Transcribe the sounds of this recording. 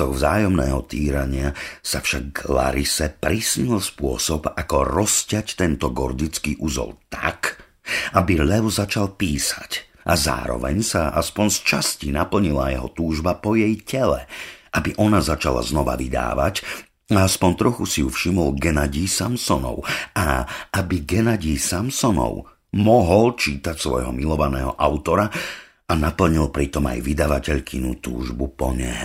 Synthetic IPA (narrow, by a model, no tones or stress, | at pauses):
ɔɣvzaːjɔmnɛ̰ːɦɔt̪iːɾaɲɪasafʃaɡla̰ɾisɛpɾisɲilspʊɔsɔpakɔɾɔscɪact̪ɛnt̪ɔɡɔ̰ɾd̪it͡skiːʔuzɔ̰lt̪a̰k | ʔabiʎɛʋzat͡ʃalˠpiːsac | ʔaza̰ːɾɔ̰ʋɛ̰ɲsaa̰spɔnst͡ʃascinapl̩ɲila̰jɛɦɔt̪uːʒbapɔjɛjcɛlɛʔabiʔɔnazat͡ʃala̰znɔʋa̰ʋid̪a̰ːʋac | aaspɔnt̪ɾɔxusijufʃimɔlɡɛnaɟiːsamsɔnɔ̰ʊaabiɡɛnaɟiːsamsɔnɔ̰ʊ | mɔɦɔlt͡ʃiːt̪acsʋɔ̰jɦɔmilɔʋanɛːɦɔʔaʊt̪ɔɾa | anapl̩ɲilˠpɾit̪ɔma̰jʋid̪aʋacɛʎkʰinṵt̪ṵːʒbupɔɲɛ